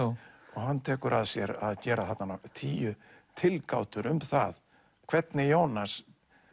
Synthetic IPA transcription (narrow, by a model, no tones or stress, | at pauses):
ɔɣhɦanːt̪ʰɛːkʏɾʔaðsjɛɾaðcɛːɾaθat̪nant̪ʰiːjʏt̪ʰɪlkaːwt̪ʏɾʏmθa̰ð | kʰvɛt̪nɪjoːwnas